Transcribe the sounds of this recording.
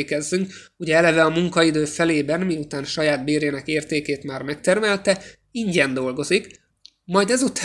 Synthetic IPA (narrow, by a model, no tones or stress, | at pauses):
kɛzːyŋk | uɟɛɛlɛvɛɒmuŋkɒid̪øːfɛleːbɛnmiut̪aːnʃɒjaːd̪beːɾeːnɛkeːrt̪eːkeːt̪maːrmɛk̚t̪ɛrmɛlt̪ɛ | iɲɟɛnd̪o̞lɡo̞zik | mɒjd̪ɛzut̪ː